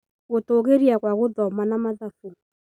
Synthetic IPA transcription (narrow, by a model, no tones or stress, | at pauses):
ɣotoɣeɾiaɣwaɣoðɔmanamaðaful